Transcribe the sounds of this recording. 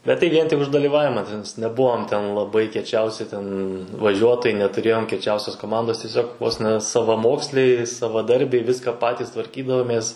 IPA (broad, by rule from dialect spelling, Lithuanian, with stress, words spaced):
bʲɛt tɐɪ ˈʋʲiɛn tʲɪk ʊʃ dɐlʲiːˈʋɑːʋʲɪmɐ tʲɛˈnɐɪs nʲɛˈbʊʋoːm tʲɛn lˠɐˈbɐɪ kʲiɛˈt͡ʃʲɛʊsʲɪ tʲɛn ʋɐˈʒʲuɔtoːjɛɪ nʲɛtʊˈrʲeːjoːm kʲiɛˈt͡ʃʲɛʊsʲoːs koːˈmɐndoːs tʲɪˈsʲoːk ʋoːs nʲɛ sɐʋɐˈmoːksʲlʲɛɪ sɐʋɐˈdɐrʲbʲɛɪ ˈʋʲɪskɐ ˈpɑːtʲiːs tʋɐrʲˈkʲiːdɐʋoːmʲeːs